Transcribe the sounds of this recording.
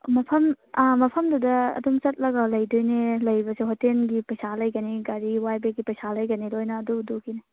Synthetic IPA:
mɐpʰɐmamɐpʰɐmdudɐ̰ːdumt͡ʃɐt̚lɐɡɐlɐjdojnelɐjbɐseɦɔtenɡipɐjsalɐjɡɐniɡaɾiwajbeɡipɐjsalɐjɡɐniɾojnɐːdudukinɐ

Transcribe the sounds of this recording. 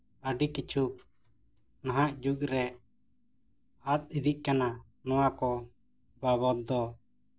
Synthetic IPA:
əɖikit͡ʃʰuk̚ | naɦaʔd͡ʒuɡɾɛ | at̪̚id̪iʔ̚kana | nɔwakɔ | baβɔd̪̚d̪ɔ

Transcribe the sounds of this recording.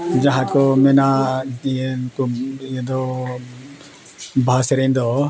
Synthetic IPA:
d͡ʒaɦãkɔmɛna | kujɛd̪ɔ | bʱasɛɾɛjnd̪ɔ

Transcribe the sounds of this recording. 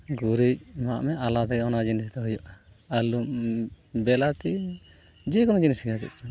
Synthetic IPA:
ɡuɾic̚maʔmɛʔalat̪ɛɡɛɔnad͡ʒinisit̪ɛɦujɔʔ | alum | bɛlat̪i | d͡ʒɛkɔnɔd͡ʒinisiɡad͡ʒɛ̰t̪̚

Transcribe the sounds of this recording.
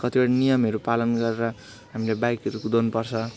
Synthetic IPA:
kʌt̪ibaɽinijʌmeɾupalʌnɡʌɾeɾʌ | ɦamilebajkʌɾukud̪anupʌrt͡sʰʌ

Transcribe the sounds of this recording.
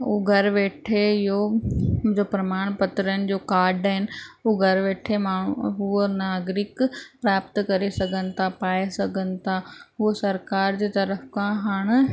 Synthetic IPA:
uːɡʱɐɾʋeːʈʰeɪjõ | d͡ʑopɾɐmaːɽ̃pɐt̪ɾənɪ̆d͡ʑoːkaːɾɖəɦɪnɪ̆ɦuːɡʱɐɾʋeːʈʰemaːɳuɦunaːɡɾɪkpɾaːp̚t̪kɐɾesɐɡʱənɪ̆t̪ʰapaːesɐɡʱənɪ̆t̪ʰaɦusɐɾkaːɾd͡ʑeːt̪ɐɾəfkãɦaːɽ̃

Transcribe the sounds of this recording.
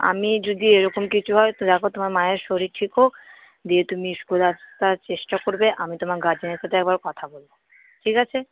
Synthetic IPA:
a̰mid͡ʑod̪ieɾɔkomkit͡ɕʰuɦɔet̪od̪ɛkʰot̪omaɾmaeɾʃoɾiɾʈʰikɦok | d̪iet̪umiʃɡod̪at̪aɾt͡ɕeʃʈakoɾbeʔamit̪omaɾɡad͡ʑineɾʃat̪ʰeɛk̚baɾokɔt̪ʰabolbo | ʈʰikat͡ɕʰe

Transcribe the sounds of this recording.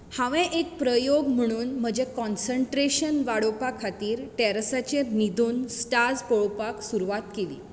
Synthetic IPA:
hãʋɛ̃ʔek̚pɾəjoɡm̤əɽ̃uːnm̤əd͡ʑekɔnsəɳʈɾeɕənʋaɽopakʰat̪iːɾʈɛɾsat͡ɕenid̪ʱuːnsʈad͡zpoɭopaksuɾuʋat̪kelḭː

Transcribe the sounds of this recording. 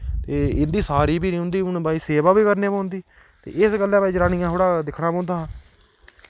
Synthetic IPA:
t̪eːɪnd̪iːsaːɾiːbiːnĩːʊ̃ːnd̪iːʊnbaːiːseːʋaːbiːkəɾneːpãːʊ̃nd̪iː | t̪ḛːɪsɡəlːãːbaːiːd͡ʒɾaːnɪjãːɦoːɽaːd̪ɪkʰɽaːpãːnd̪aːɦː

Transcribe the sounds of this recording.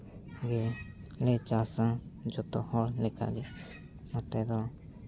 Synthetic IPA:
ɡɛ | lɛt͡ʃasãd͡ʒɔt̪ɔhɔɽlɛka̰ɡɛ | mɔt̪ɛd̪ɔ

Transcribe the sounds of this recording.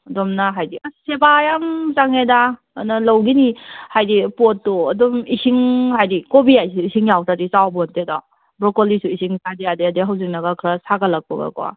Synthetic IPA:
ɐdɔmnaɦajdiasebajamt͡ʃaŋeda | nalɐwɡinihajdipɔtːɔɐdɔmisiŋhajdikobijajsuisiŋjawsadisawbɔntedɔ̰ | bɾɔkɔlisuisiŋsadiadeɐdeɦawzik̚nɐɡakʰɾasaɡalak̚pɔ̰ɡa̰kɔa̰

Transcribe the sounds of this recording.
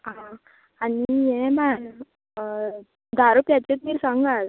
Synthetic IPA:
ɦã | anijɛ̃man | d̪aɾopjat͡ɕet̪̚miːɾsãŋɡal

